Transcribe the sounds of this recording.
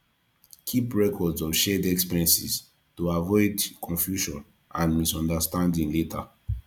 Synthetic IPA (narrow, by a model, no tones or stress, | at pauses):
kʰipɹɛkʰɔdzɔv̥ʃɛdɛkspiɹɛ̃nsḭs | tuavɔɪdkʰɔ̃nfjuʃɔ̃n | ãnmisɔ̃ndəstãndĩŋletʰə̰